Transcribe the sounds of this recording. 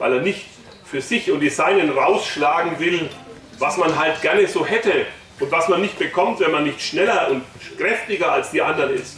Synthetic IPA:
va̰ɪleːɐnɪçt | fyːɐzɪçʊntd̥izaɪnənʁaʊsʃlaːɡŋ̩vɪl | vasmanɦalt̚ɡ̥ɛɐnəzoːɦɛtə | ʔʊntv̥asmanːɪçt̚b̥əkʰɔmtv̥ɛnmanːɪçtʃnɛlɐʔʊntkʁ̥ɛftɪɡɐalsd̥iːʔandɐnɪst

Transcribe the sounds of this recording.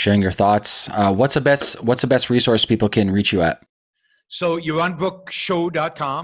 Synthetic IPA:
ʃɛɹɪ̃ŋjə˞θɔtsʌwʌtsəbɛstwʌtsðəbɛst̚ɹisɔɹspipl̩ˠkʰɨ̃nɹit͡ʃjɨə̰t̚ | sojuɹãnbɹʊk̚ʃoʊdɑt̚kʰɑ̃m

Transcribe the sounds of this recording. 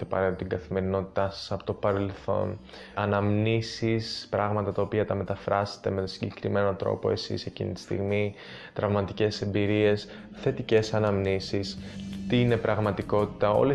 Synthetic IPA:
epɐ̰ɾet̪ot̪iɡɐθime̞ɾino̞t̪i̥t̪ɐsɐ̥sɐpot̪o̞pɐɾe̞lθo̞̰n | ɐnɐmnisispɾɐɣmɐt̪ɐt̪ɐopiɐt̪ɐme̞t̪ɐfɾɐse̥t̪e̞me̞siɟe̞kɾime̞no̞t̪ɾo̞̰po̞̰e̞sḭse̞cḭnḭt̪i̥st̪ḭɣmi | t̪ɾɐvmɐt̪ice̞se̞mbiɾie̞s | θe̞t̪ice̞sɐnɐmnisist̪iine̞pɾɐɣmɐt̪iko̞t̪i̥t̪ɐo̞̰le

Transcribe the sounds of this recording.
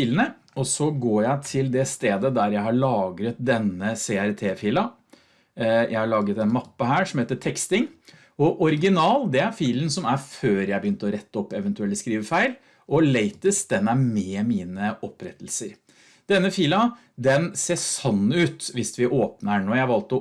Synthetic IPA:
iːlənə | ɔsɔɡoːjæɪt̪ʰɪld̪ɛst̪eːd̪əd̪æɾjæɪhɑɭɑːɡɾət̪̚d̪ɛnːəseæɾt̪ʰeːfiːlɑ | jʔæ̰ɪhɑɭɑːɡət̪ɛnmɑpːəɦæːʂɔmheːt̪əʈʰɛkst̪ɪŋ | ɔʔɔɾɪɡɪnɑːld̪ɛæɾfiːlnsɔmæɾføːɾjæɪbəjʏnt̪əɔɾɛt̪ːɔpːɛʋənt̪ʉɛlɪskɾiːʋəfæɪl | ʔɔleɪt̪əsd̪̥ɛnæɾmeːmiːnəʔɔpːɾɛt̪ːlsəɾ | d̪̥ɛnːəfiːlɑ | d̪ɛnseːsɔnːʉːt̪ʋɪsʋɪʔoːpnəɳoːjæɪhæʋɑlt̪ɔ

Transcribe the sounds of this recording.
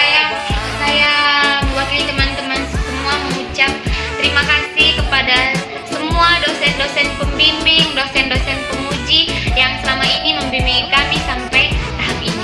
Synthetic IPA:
sajawakit̪usajaməwakilt̪əmant̪əmansəmuaməŋut͡ʃap̚t̪əɾimakasɪhkəpada | səmuadosɛndosɛnpəmbimbɪŋdosɛndosɛnpəŋud͡ʒijaŋsəlamainiməmbimbiŋikamisampajt̪aɦap̚ini

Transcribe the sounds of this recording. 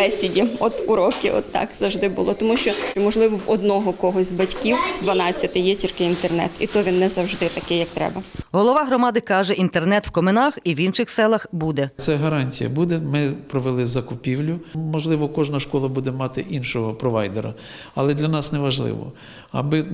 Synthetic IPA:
ɛsʲɪdʲiɔt̪uɾɔkɪʔɔ̰t̪ːɑ̰kz̥ɐwʒd̪ɪbʊ̰lˠɔt̪ɔmuʃt͡ʃɔmɔʒlˠɪʋɔwɔd̪nɔɦɔkɔɦɔsʲzʲbɐtʲkʲiwzd̪ʋɐnɑt͡sʲːɐt̪ɪjɛt͡ʃʲirkɪint̪ernɛ̰t̪ḭt̪ɔʋʲinːɛzɐwʒd̪ɪt̪ɐkɪjɐkt̪ɾɛ̰bɐɦɔlˠɔʋɑɦɾɔmɑd̪ɪkɑʒɛʔint̪ernɛt̪wkɔmenɑxiwinʃɪxsɛlˠɐxbud̪ɛt̪sɛɦɐɾɑnʲtʲijɐ̰bud̪ɛmɪpɾɔʋelˠɪzɐkʊpʲiwlʲʊmɔʒlˠɪʋɔkɔʒnɐʃkɔlˠɐbud̪ɛmɑt̪ɪʔinʃɔɦɔpɾɔʋɑjd̪eɾɐ̰ | ɐlˠɛd̪lʲɐnɑsnɛʋɐʒlˠɪ̰ʋɔ̰ | ɐ̰bɪ

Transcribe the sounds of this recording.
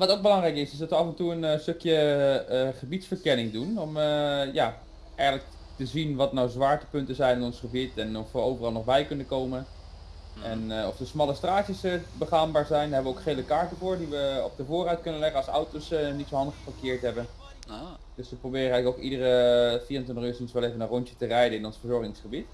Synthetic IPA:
ʋɑtowk̚bəlɑŋrɛjkɪsɪsdɑtʋəɑfɛntuənstøkjə | χəbitsfəɹkɛnɪŋdunɔməja | ɛjχənlək̚ | təzinʋɑtnawzʋaːɹtə̥pɵntəzɛjnɪnɔnsχəbitɛnɔfʋəowvərɑlˠnɔχbɛjkɵnəkowmən | ɛnɔfsəsmɑlˠəstraːtəsbəχaːmbaːɹzɛjnɦɛbəʋəowkχejləkaːɹtəvʊːɹdiʋəɔ̰p̚dəvʊːrœɥt̚kɵnənlɛχənɑsɔwtowsnitsowɦɑndəχfəkɪːɹtɦɛbən | d̥øsʋəprobɪːrəɛɣləkowkidərəfiːɑntənjəsənsʋɛlˠejvənərɔntjətərɛjdənɪnɔ̃nsfəɹzɔɹχɪŋsχəbit

